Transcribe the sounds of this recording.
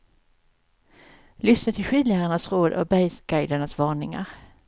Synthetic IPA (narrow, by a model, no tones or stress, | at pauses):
lʏsnat̪ʰɪlɧiːd̪laəɳasɾoːd̪ɔ̰bɛjsɡ̥ajd̪əɳasvɑːɳɪŋa̰ɾ